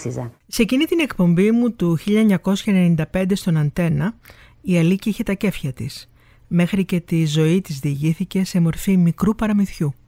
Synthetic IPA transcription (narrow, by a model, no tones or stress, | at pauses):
sizɐ | se̞cinit̪ine̞kpo̞mbimut̪uçiʎɐeɲɐko̞sçɐene̞nind̪ɐpe̞nd̪est̪o̞nɐnθe̞nɐ | iɐliciiçe̞t̪ɐce̞fçɐt̪is | me̞xɾice̞t̪izo̞it̪izðiːʝiθice̞se̞mo̞ɾfimikɾupɐɾɐmiθçu